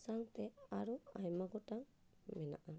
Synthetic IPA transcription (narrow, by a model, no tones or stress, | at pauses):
saŋt̪ɛaɾuajmaɡɔʈaŋ | mɛna̰ʔa